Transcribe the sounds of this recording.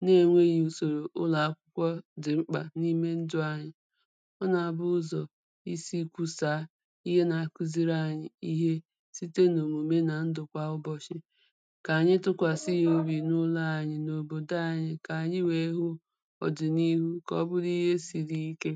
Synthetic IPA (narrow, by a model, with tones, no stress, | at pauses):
ne˦˨ŋʷe˦ju˨so˨ɾo˨ʔʊ˦la˨a˦kʷʊ˦kʷɔ˦dɪ˨ŋ͡m̩˦k͡pa̰˨ni˦me˦n̩˦dʊ˦a˨ɲɪ˨ | ɔ˦na˨a˨bʊ˦zɔ˨ | i˦si˦kʷu˦sa˨˦ | i˦ɦe˦na˨a˨ki˦zi˦ɾa˦˨ɲɪ˨i˦ɦe˦ | si˦te˦no˨mu˨me˦na˨n̩˦dʊ˨kʷa˦ʊ˦bɔ˦t͡ʃɪ˦ | ka˨a˨ɲɪ˦tʊ˦kʷa˨sɪ˦jo˦bi˨nʊ˦la˦a˨ɲɪ˨no˨bo˨da˦a˦˨ɲɪ˨ka˨a˨ɲɪ˦we˨˦ɦʊ˦ | ɔ̰˨dɪ˨ni˦ɦu˦kɔ̰˦bʊ˦di˦ɦe˦si˨ɾi˦i˦ke˦